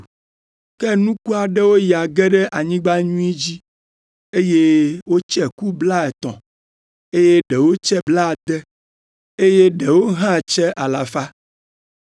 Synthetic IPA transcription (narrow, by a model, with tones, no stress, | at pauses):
kɛ˦nũ˦ku˦a˨ɖɛ˦wo˦ji˨a˨ɡɛ˦ɖɛ˦ʔa˨ɲĩ˦ɡ͡ba˦ɲũ˦i˦d͡ʑi˦ | e˦je˦wo˦t͡ʃɛ˦ku˦bla˦ɛ˨t̪ɔ̰̃˨ | e˦je˦ɖɛ˨wo˦t͡ʃɛ˦bla˦˨d̪ɛ˦ | e˦je˦ɖɛ˨wo˦ɦã˦˨t͡ʃɛ˦ʔa˨la˨fa˦